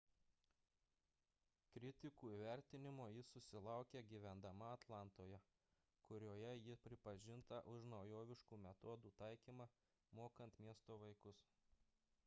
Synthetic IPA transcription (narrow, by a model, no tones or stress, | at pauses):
kɾʲɪt̪ʲɪkuːiːʋʲæˑɾʲt̪ʲɪnʲɪmoːjɪsʊsʲɪlˠɑʊkʲeɡʲiːʋʲɛnd̪ɐmɐɐt̪lˠɑˑnt̪oːjɛ | kʊɾʲoːjɛjɪpʲɾʲɪpɐʒʲɪnt̪ɐʔʊʃnɒʊjoːʋʲɪʃkuːmʲɛt̪oːd̪uːt̪ɑˑɪkʲiːmɑ | moːkɐnt̪mʲiɛst̪oːʋɐɪkʊs